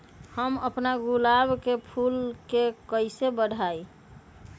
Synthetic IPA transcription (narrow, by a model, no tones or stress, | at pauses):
həməpnaɡulabkepʰulkekəɪsebəɽʱai